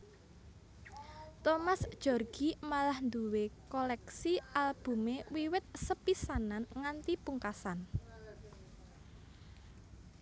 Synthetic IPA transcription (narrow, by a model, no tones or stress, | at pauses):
t̪omasd̥ʒ̥ɔ̤rɡ̥imalahnd̪uwekɔlɛksialb̥ṳmewiwɪt̪̚səpisananŋant̪ipuŋkasan